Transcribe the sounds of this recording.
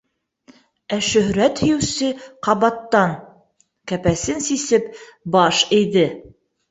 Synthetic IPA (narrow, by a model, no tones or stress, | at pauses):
æʃɵ̆hɾæt̪hɵ̆jɘ̆wsɘqɑβɑt̪ːɑn | kæpæsɘnsisɘpbɑʃɘ̆jðɘ